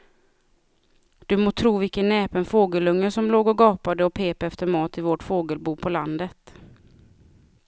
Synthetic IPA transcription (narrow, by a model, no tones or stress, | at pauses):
d̪̥ɵmoːt̪ʰɾuːvɪkənːɛːpənfoːɡəlɵŋːəsɔmloːɡɔɡɑːpad̪əɔpʰeːpɛft̪əɾmɑːt̪ɪvoʈfoːɡəlbuːpʰɔland̪ət̪